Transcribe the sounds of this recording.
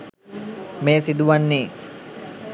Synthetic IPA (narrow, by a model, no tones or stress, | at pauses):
meːsid̪uʋanːeː